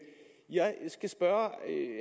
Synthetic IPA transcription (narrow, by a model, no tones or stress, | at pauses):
jɑ̈ɪsɡ̥æsb̥ɶːɐ